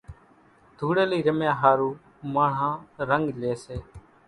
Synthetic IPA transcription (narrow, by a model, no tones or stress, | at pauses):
d̪ʱuːɽeːliːɾəmjãːɦaːɾuː | maːɳãːɾəŋɡleːseː